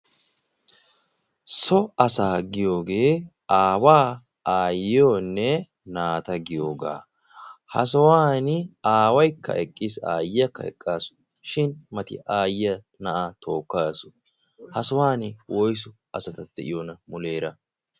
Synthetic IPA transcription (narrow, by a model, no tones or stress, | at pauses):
sɔɐsaːɡɪjo̞ːɡe̞ː | ʔaːwaː | aːjɪjoːnːɛ | naːt̪ɐɡɪjoːɡa̰ː | hɐ̰s̬ɔwaːnɪaːwɐjkːɐ̰ʔɛkʼːɪsaːjɪjɐkːɐ̰ɛ̰kʼːaːsʊ̥ | ʃɪnmɐt̪ɪ̰ʔaːjɪjɐ | nɐʔat̪o̞ːkːaːsʊ̥ | hɐsɔwaːnɪwʔɔjs̬ʊ | ɐsɐt̪ɐd̪̥ɛ̰ʔɪ̰jonɐmʊleːɾɐ